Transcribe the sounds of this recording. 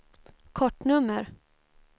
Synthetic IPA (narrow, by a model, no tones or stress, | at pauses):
kʰɔʈːnɵmːəɾ